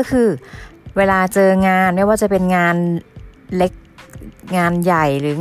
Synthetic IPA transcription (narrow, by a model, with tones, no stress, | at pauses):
ɔ˥˩kʰɯː˧weː˧laː˧t͡ɕɤː˧ŋaː˧nma˧˥˩jwaː˧˩t͡ɕa˨˩pe˧nŋaː˧n | le˦˥k̚ŋaː˧nja˨˩jɾɯː˨˩˦ŋ